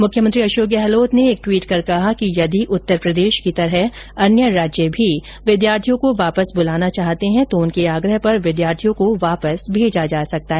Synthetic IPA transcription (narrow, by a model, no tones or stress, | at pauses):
mʊkʰjəmɐ̃t̪ɾiɐʃoːɡjəɦɛloːt̪neeːk̚ʈwiːʈkɐɾkɐɦakijɐd̪iʔʊt̪ːəɾpɾɐd̪eːʃkit̪ɐɾəɦ | ɐnjəɾaːd͡ʒjəbʱi | ʋɪd̪jaːɾt̪ʰijõkoʋaːpəsbʊlaːnat͡ʃaːɦt̪eɦɛ̃t̪oʊnkeaːɡɾəɦpɐɾʋɪd̪jaːɾt̪ʰijõkoʋaːpəsbʱeːd͡ʒad͡ʒaːsɐk̚t̪aɦɛ